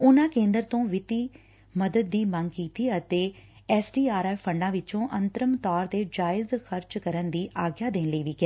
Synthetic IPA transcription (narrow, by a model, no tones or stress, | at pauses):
ʊnãːkẽːnd̪əɾt̪õːʋɪt̪iː | məd̪əd̪̚d̪iːmə̃ŋɡkiːt̪iːət̪eːɛːsɖiːaːɾaːpʰəɳɖãːʋɪt͡ʃõːʔənt̪əɾəmt̪ɔːɾd̪eːd͡ʒaːɪzxəɾt͡ʃkəɾənd̪iːʔaːɡjaːd̪ẽːnləiːʋiːkɪɛː